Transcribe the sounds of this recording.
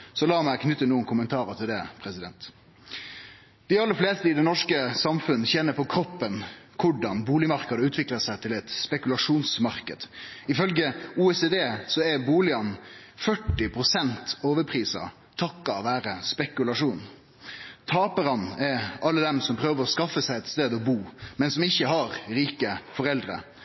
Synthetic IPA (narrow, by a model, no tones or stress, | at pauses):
sɔlɑːmækʰnʏt̪ːənuːənkʰʊmənt̪ʰɑːɾət̪ʰɪld̪ɛpʰɾɛsɪd̪ɛnt̪ | d̪̥ɪɑlːəfleːst̪əɪd̪ɛnɔʂkəsɑmfʉnːəçɛnːəɾpʰɔkʰɾɔpːənkʰʊɖɑnbuːlɪmɑɾkɑd̪əʉːt̪ʰʋɪkləsæɪt̪ʰɪlɛt̪spɛkʉlɑʂuːnsmɑɾkəd̪̥ɪfœlɡəuːɛseːd̪eːsɔɛbuːlɪɑn | fœʈːɪpʰɾʊsɛnt̪oːʋəɾpʰɾiːsɑ̰ | t̪ʰɑkːɑʋæːɾəspɛkʉlɑʂuːn | t̪ʰɑːpəɾɑnɛɾɑlːəd̪ɛmsɔmpʰɾøːʋəɾɔskɑfːəsæɪɛt̪st̪eːd̪ɔbuːmɛnsɔmɪçːəɦɑɾɾiːkəfɔɾɛld̪ɾə̰